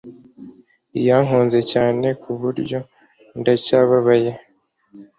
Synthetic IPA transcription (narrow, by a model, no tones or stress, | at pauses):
ijaːŋ̥uːnze̞caːne̞kʰuβuɾɟo̞ | ndacaːβaβaje̞